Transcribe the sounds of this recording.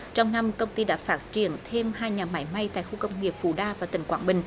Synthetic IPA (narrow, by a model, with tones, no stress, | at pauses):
t͡ɕɔ˧wŋ͡mna˧mkə˧wŋ͡mt̪i˧ɗa̰ː˧˥faː˦˥t̚t͡ɕi˧˩ənt̪ʰe˧mhaː˧jɲaː˨˩ma˧˦jma˧jt̪a̰ː˧˨jxu˧kə˧wŋ͡mŋi˨˩əp̚fṵ˧˩ɗaː˧vaː˨˩t̪ï˨˩ŋkwaː˧˩nɓï˨˩ŋ̟